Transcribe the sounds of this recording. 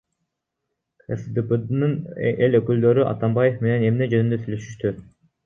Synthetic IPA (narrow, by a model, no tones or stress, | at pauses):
esd̪eped̪nɯnelʲøkyld̪ø̞ɾyʔɑ̰t̪ɑmbɑje̞fme̞ne̞ne̞mned͡ʒønynd̪øsylø̞ʃy̥ʃt̪y